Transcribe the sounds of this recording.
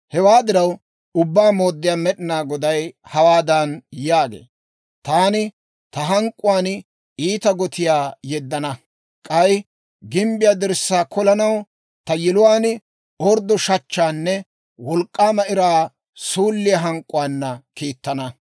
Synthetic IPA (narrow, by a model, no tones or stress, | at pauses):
hɛwaːd̪ɪɾɐw | ʊbːaːmo̞ːd̪ːɪjaːmɛɗɪnaːɡɔd̪ɐjhɐwaːd̪ɐnjaːɡḛː | t̪aːnɪ | t̪ɐɦɐŋkʼːʊwaːn | iːt̪ɐɡɔt̪ɪjaːjɛd̪ːɐnɐ | kʼɐj | ɡɪmbɪjaːd̪ɪɾsːaːkɔlɐnɐw | t̪ɐjɪlʊwaːn | ɔɾd̪ɔʃɐt͡ʃːaːnːɛ | wɔlkʼːaːmɐʔɪɾaː | suːlːɪjɐɦɐŋkʼːʊwaːnːɐkiːt̪ːɐnɐ